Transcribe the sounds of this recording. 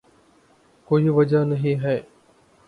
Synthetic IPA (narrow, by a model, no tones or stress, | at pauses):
koɦiʋɐd͡ʒaːnɐɦĩːɦɛe